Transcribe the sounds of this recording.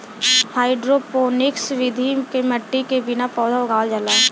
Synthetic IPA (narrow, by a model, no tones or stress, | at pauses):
haːɪɖɾopoːnɪksʋɪd̪ʱikeməʈːikebɪnapɔːd̪ʱaoɡʱaːld͡ʒəlaː